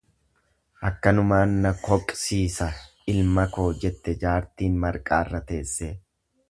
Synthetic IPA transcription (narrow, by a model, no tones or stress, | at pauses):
ʔɐkːɐnʊmaːnːɐkɔkʼsiːsɐ | ɪlmɐko̞ːd͡ʒɛt̪ːɛd͡ʒaːɾt̪iːnmɐɾkʼaːɪrːɐt̪e̞ːsːeː